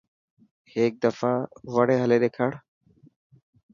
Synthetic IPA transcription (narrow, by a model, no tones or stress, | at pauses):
heːk̚d̪əfaːʋəɽ̤eːɦəleːɗ̪eːkʰəɽ̤